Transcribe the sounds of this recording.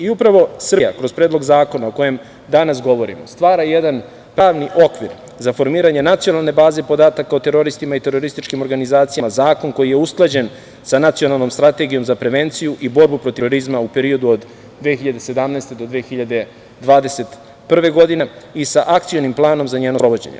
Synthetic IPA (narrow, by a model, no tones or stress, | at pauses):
iupɾaʋo̞sr̩ja̰kɾo̞zpɾe̞ːd̪lo̞ɡzaːko̞nao̞ko̞je̞m | d̪anas̬ɡo̞ʋo̞ɾḭmost̪ʋaːɾajed̪an | pɾaːʋniʔo̞kʋiɾ | zafo̞ɾmiːɾaɲe̞nat̪sijo̞nalˠne̞baːze̞po̞d̪aːt̪akaot̪e̞ɾo̞ɾist̪imait̪e̞ɾo̞ɾist̪it͡ʃkimoɾɡanizaːt̪sijamazaːko̞nko̞jijeusklˠad͡ʑe̞n | sanat̪sio̞nalˠno̞mst̪ɾat̪e̞ɡijo̞mzapɾe̞ʋe̞nt̪sijuʔibo̞ɾbupɾo̞t̪iɾoɾizmaupe̞ɾio̞d̪uod̪ | d̪ʋexiʎad̪e̞se̞d̪amnaest̪e̞d̪o̞d̪ʋeːxiʎad̪e̞ | d̪ʋaːd̪e̞se̞t̪ | pr̩ʋe̞ɡo̞d̪ineisaʔakt̪sijonimplˠaːno̞mzaɲeːnopɾoʋod͡ʑḛɲḛ